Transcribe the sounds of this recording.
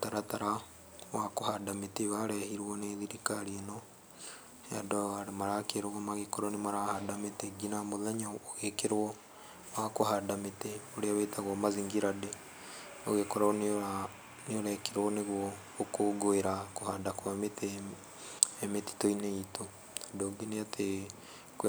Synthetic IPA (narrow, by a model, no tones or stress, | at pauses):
taɾataɾa | wakohadameteβaɾɛhiɾwɔneːðiɾikaɾienɔ | ja̰dɔaɾemaɾakeɾoɣɔmaɣekoɾɔnemaɾahadametɛɡinamoðɛɲaːɣekeɾwɔ | wakohadametɛoɾeaβetaɣɔmaziŋɡiɾade | oɣekoɾana | neoɾɛkeɾwɔneɣwɔ | okoːɡoeɾakohandakwametɛ | emeti̥toineito | adoɡeneate | k